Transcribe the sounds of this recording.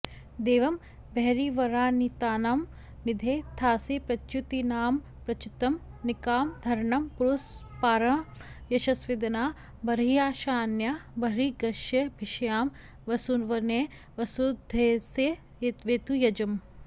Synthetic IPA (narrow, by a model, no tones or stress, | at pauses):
d̪eːʋɐm | beɦɾiʋɐɾaːnit̪aːnaːm | nid̪ʱeːt̪ʰaːsepɾɐt͡ʃjut̪inaːm | pɾɐt͡ʃut̪ɐmnikaːmd̪ʱɐɾɳɐmpuɾus | paːɾɐ̃jɐʃɐsʋid̪ɐnaː | bɐɾijaːʃaːnjabɐɾiɡɐʃjɐbʱiʃɐjaːm | ʋɐsunʋɐne | ʋɐsud̪ʱeːse | t̪ʋeːt̪ujɐd͡ʒɐm